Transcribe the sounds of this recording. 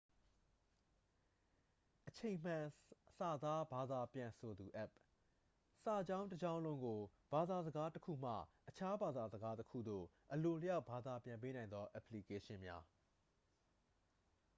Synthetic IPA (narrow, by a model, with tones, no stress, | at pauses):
ʔət͡ɕʰẽ˨m̥ã˨sa˨d̪a˦ba˨d̪a˨pjã˨sʰo˨d̪u˨ʔɛ˦˨p̚ | sa˨d͡ʑã˦ʊ̃ntəd͡ʑã˦ʊ̃lõ˦ŋɡo˨ | b̥a˨d̪a˨zəɡa˦təkʰṵ˦˨m̥ä̰˦˨ʔət͡ɕʰa˦ba˨d̪a˨zəɡa˦təkʰṵ˦˨d̪o̰˦˨ | ʔəlo˨lə˦ja˦ʊb̥a˨d̪a˨pjã˨mp̬e˦nã˨ɪ̃nd̪ðɔ˦ʔa˨pʰli˨ke˦ʃɪ̃˦mja̰˦